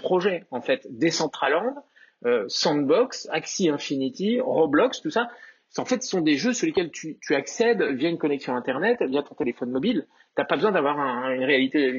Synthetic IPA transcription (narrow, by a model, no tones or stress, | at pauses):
pχɔʒɛɑ̃fɛt̪d̪esɑ̃t̪χalɑ̃d̪ | øsɑ̃d̪bɔksaksiɛ̃finit̪iʁoblɔkst̪usa | ɑ̃fɛt̪sə̥sɔ̃d̪eʒøsuʁlekʲɛlt̪ʰyt̪ʰyaksɛd̪vjaynkɔnɛksjɔ̃ɛ̃t̪ɛʁnɛt̪vjat̪ɔ̃t̪elefɔnmɔbil | t̪yapabəzwɛ̃d̪avwaʁɛ̃ynʁealit̪e